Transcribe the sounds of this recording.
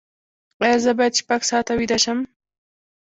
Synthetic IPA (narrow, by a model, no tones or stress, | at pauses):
qajazəbɑjad̪ʃpaɡsɑt̪awid̪aʃəm